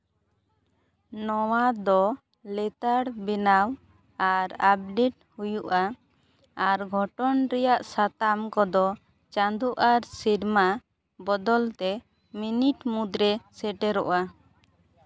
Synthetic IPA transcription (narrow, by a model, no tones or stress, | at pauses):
nɔwad̪ɔ | lɛt̪aɽbinaw | aɾap̚ɖiʈ̚ | hujuʔa | aɾɡʱɔʈɔnɾɛjaʔsat̪amkɔd̪ɔ | t͡ʃand̪uʔaɾsiɾma | bɔd̪ɔlt̪ɛ | miniʈmud̪ɾɛsɛʈɛɾɔ̰ʔa